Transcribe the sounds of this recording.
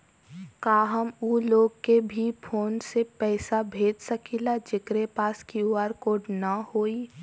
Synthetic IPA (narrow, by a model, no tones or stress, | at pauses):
kaːɦəmuːloːɡkebʱipʰoːnsepɛːsabʱeːd͡ʒsəkʰilad͡ʒɪkɾepaːskiuaːɾkoːɖnɐhoːi